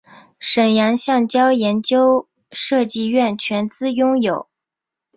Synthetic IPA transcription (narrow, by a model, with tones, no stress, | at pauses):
ʂə˨˩njɑ˧˥ŋɕjɑ˥˩ŋt͡ɕjɑ˥ʊjɛ˧˥nt͡ɕjo˥ʊ | ʂɤ˥˧t͡ɕi˥˧ɥɛ˥˩nt͡ɕʰɥɛ˧˥nt͡sɹ̩˥jʊ˥ŋjo˨˩ʊ